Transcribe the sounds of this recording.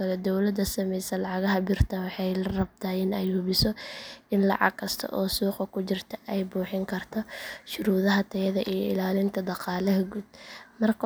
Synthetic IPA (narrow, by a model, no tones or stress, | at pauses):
ɐlɛd̪ɔwlɐd̪ɐsɐmɛjsɐlɑʕɑɣɐɦɐbɪrt̪ʰɐwɑħɑjlrɐb̚t̪ʰaːɪnɛjhuβɪsɔʔɪnlɑ̰ʕɑ̰ɡkʰɐst̪ʰɐ̰ʔɔːsuːqɐkʰʊt͡ʃɪrt̪ʰɐ̥ʔɛjbuːħɪŋkʰɐrt̪ʰɔʃʊɾuːðɐɦɐt̪ʰɛɐðɐʔijɔɪ̰laːlɪnt̪ʰɐd̪ɑqɑːlɐɦɐɡuːd̪̚mɐrkʰ